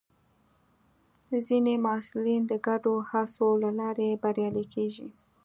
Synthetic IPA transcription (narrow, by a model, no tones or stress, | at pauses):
zinemɑsɪlind̪əɡaɖohasolalɑɾebaɾjɑlikʰeʒḭ